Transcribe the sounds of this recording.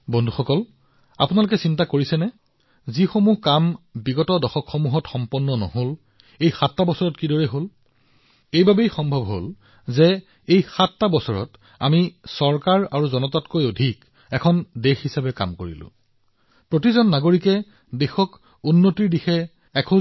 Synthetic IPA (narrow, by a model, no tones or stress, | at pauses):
bɔndʱuxɔkɔl | a̰punalʊk̬ɛsintakoɹisɛnɛ | zixomuhkambiɡɔtɔdɔxɔkxɔmuɦɔtxɔmpɔnːɔnɔ̰ɦol | ejxatːabɔsɔɹɔtkidɔɹɛɦol | ejbabejxɔmbʱɔbɦol | zɛ | ejxatːabɔsɔɹɔ̰t | a̰misɔɹkaɹaɹuzɔnɔtatkojodʱik | ɛkʰɔndexhisabɛka̰mkoɹḭlʊ̰̃ | pɹotizɔnːaɡoɹikɛ | dexɔk | unːotiɹdixɛ | ɛkʰo